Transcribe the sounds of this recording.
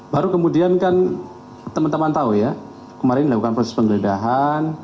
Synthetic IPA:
baɾukəmudiankan | t̪əmant̪əmant̪auja | kəmaɾɪndilakukanpɔsɛspəŋɡələdaɦan

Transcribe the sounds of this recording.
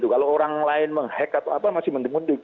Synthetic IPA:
t̪ukalooɾaŋlaɪnməŋhɛkat̪aapamasɪhmənt̪ɪŋmund̪ɪk

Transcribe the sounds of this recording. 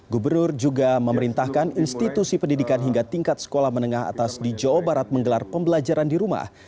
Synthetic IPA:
ɡubərnʊrd͡ʒuɡaməməɾint̪ahkaninst̪it̪usipəndidikanɦiŋɡat̪iŋkat̪̚sə̥kolahmənəŋaɦa̰t̪asdid͡ʒaobaɾat̪̚məŋɡəlarpəmbəlad͡ʒaɾandiɾuma̰h

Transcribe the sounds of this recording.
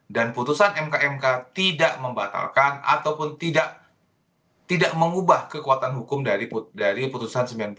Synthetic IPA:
danput̪usanɛmkaɛmkat̪idaʔməmbat̪a̰lkana̰t̪awpʊnt̪idaʔ | t̪idaʔməŋubahkəkuat̪anɦukʊmdaɾipudaɾiput̪usansəmbilanp

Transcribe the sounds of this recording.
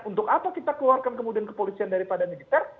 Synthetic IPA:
unt̪ʊkapakit̪akəluarkankəmudiankə̥polisiandaɾipadamilit̪ɛr

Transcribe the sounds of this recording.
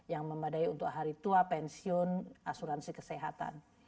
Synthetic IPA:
jaŋməmadaiunt̪ʊkɦaɾit̪uapɛnsiɔnʔasuɾansikəsɛɦat̪a̰n

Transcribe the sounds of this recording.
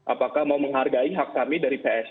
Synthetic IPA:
ʔapakahmauməŋɦarɡaiɦakːamidaɾipeɛs

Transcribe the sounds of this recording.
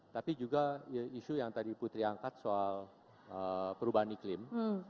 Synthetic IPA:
t̪apid͡ʒuɡaiʃujaŋt̪adiput̪ɾiaŋkat̪̚soal | əpəɾubaɦaniklɪm

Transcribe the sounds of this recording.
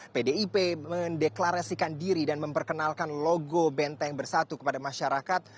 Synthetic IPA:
pedeipeməndeklaɾasikandiɾidanməmpərkənalkanloɡobɛnt̪ajaŋbərsat̪ukə̥padamaʃaɾakat̪̚

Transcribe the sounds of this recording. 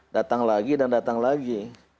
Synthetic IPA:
dat̪aŋlaɡidandat̪aŋlaɡi

